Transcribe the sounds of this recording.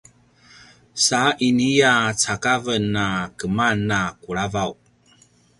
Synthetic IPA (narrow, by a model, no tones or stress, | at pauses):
saʔinijat͡sakavənːakəmanːakuɭavaw